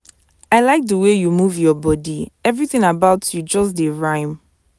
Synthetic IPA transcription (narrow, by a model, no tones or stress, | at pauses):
aɪlaɪk̚dəwejumuvjɔbɔdiɛvɹiθɪ̃ŋabaʊtʰjud͡ʒɔs̬deɹãɪ̃m